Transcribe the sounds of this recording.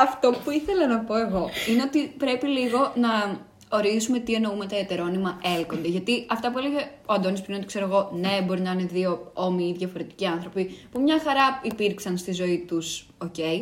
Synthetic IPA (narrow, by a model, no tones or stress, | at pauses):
ɐft̪o̞puiθe̞lɐnɐpo̞e̞ɣo̞ine̞o̞t̪ipɾe̞piliɣo̞nɐ | o̞ɾizume̞t̪ie̞no̞ume̞t̪ɐet̪e̞ɾo̞nimɐʔe̞lko̞nd̪e̞ʝɐt̪iɐft̪ɐp̬ueleʝeoɐnd̪onispɾinot̪ikse̞ɾoɣo̞ne̞bo̞ɾinɐineðio̞o̞miiðjʝɐfo̞ɾe̞t̪i̥ciɐnθɾo̞pipumɲɐxɐɾɐipiɾksɐnst̪izo̞it̪us | o̞ce̞i